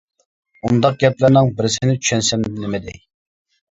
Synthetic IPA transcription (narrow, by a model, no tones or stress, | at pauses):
und̪ɑq̚ɡʲɛp̚lɪɾnɨŋbɪɾɪsɪnɪt͡ʃʰy̥ʃɛnsɛmnɪmɪd̪ɪ̰